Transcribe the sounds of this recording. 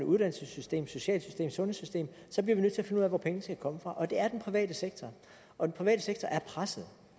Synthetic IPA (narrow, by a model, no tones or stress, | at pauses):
nəuð̥ˠænl̩səsysd̥e̝̰ːmso̝ɕɛ̰ːlsysd̥e̝̰ːmsɔ̽nhesysd̥e̝̰ːm | sɒb̥liɐʋinø̰t͡sʰe̝ɐfe̝nəuð̰ˠæʋɒpʰeŋnəskʰækʰɒ̽məfʁɑ̈ʔɒ̽d̥e̝æɐd̥enpʰʁiʋɛ̰ːd̥əseɡ̥t͡sʰɒ | ɒ̽d̥enpʰʁiʋɛ̰ːɾ̥əseɡ̥̚t͡sʰɒʔæɐpʰʁasəð̩ˠ